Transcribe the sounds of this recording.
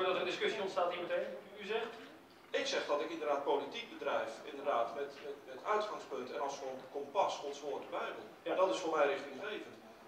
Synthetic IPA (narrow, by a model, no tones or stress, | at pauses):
dɔtərəndɪskɵsjiɔntstaːthimətenyzɛxt | ɪksɛχdɔtɪkɪndərdaːt̚politik̚bədrɛjfɪ̰ndərdaːtmɛtmɛtmɛtœɥtχaŋspɵntɛ̰nɔsfonkompɑsɔnsʋoːtdəbɛjbəlˠjadɔtɪsfʊːrmɛjrɪxtɪŋxejvənt